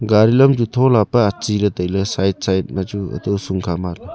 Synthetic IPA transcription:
ɡaɾilɔmd͡ʒut̪ʰɔlapaat͡ʃiɾɯd̪əjlɯsajt̚sajt̚mad͡ʒuə̰d̪uwsuŋkʰamalɯ

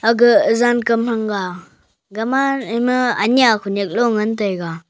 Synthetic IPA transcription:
aɡɯzankɯmhaŋɡa | ɡamanmɯa̰niakʰunek̚lɔŋɯntɯjɡa

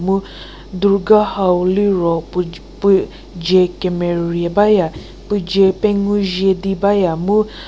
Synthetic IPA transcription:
mu | d̪uɾɡahawliɾɔ | p | d͡ʒekɛmɛɾiabaja | pɨd͡ʒepɛŋuʒedibajamu

